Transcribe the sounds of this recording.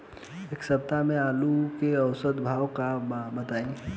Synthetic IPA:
eːksəb̚t̪amẽaːlukeɐʊsəd̪bʱaːwkabɐt̪aːĩ

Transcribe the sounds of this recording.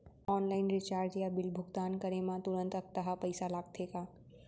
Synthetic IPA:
ɔːnlaːɪnɾɪt͡ʃaːɾd͡ʒjabɪlbʱʊɡt̪aːnkɐɾemãt̪ʊɾə̃nt̪ɐk̚t̪əɦapɐɪsalaːɡ̚t̪ʰeːkaː

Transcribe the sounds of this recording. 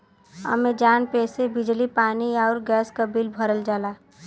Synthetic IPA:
ə̰med͡ʒaːnpeːsebɪd͡ʒlipaːniaʊɾɡɛːskabilbʱəɾəld͡ʒaːla

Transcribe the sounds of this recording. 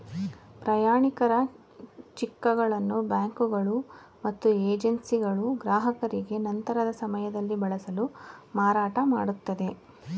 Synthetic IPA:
pɾɐjaːɳikɐɾɐ | t͡ʃikːɐɡɐɭɐnːubjaːŋkuɡɐɭu | mɐt̪ːueːd͡ʒensiɡɐɭuɡɾaːɦɐkɐɾiɡe̞nɐnt̪ɐɾɐd̪ɐsɐmɐjɐd̪ɐlːibɐɭɐsɐlumaːɾaːʈɐmaːɽut̪ːɐd̪e̞

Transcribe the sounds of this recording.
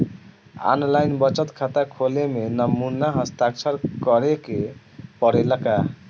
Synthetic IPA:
a̰nlajnbʌt͡ʃət̪kʰat̪akʰolemenəmunaɦəst̪akt͡ʃʰəɾkʌɾeke | pɔɽeləka

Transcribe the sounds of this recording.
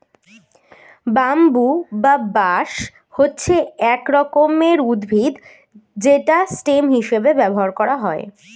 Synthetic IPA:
bambubabaʃ | hotːɕʰeɛkɾɔkomeɾud̪bʱid̪ | d͡ʑeʈasʈemɦiʃebebɛboɦaɾkɔɾaɦɔe

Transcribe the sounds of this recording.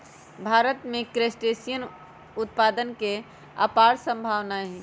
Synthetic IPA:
bʱaɾət̪mẽkɾesʈesijən | ut̪̚pad̪ənke | a̰paɾsə̃mbʱaʋnaɦɛ̃

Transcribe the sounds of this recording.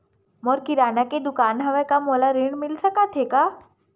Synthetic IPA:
mɔɾkiɾaːnaked̪ʊkaːnɦɐʋekamoːlaɾiɳmilsəkat̪ʰeka

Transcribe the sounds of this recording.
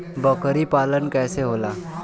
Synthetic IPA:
bəkɾipaːlənkɛːseɦoːlaː

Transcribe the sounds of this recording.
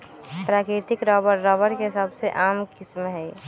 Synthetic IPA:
pɾaːkɾɪt̪ɪkɾɔːbəɾːɔːbəɾkeɦɪsəbseʔaːmkɪsmɦɛ

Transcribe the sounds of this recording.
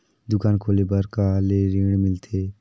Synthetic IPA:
d̪ʊkaːnkʰoːlebəɾkaleɾẽːɽ̃mɪlt̪ʰeː

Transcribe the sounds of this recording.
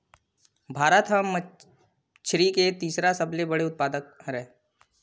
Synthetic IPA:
bʱaːɾət̪ɦəm | t͡ʃʰɾiket̪iːsɾasəblebəɽeʊt̪̚paːd̪ək̚ɦɾɛ

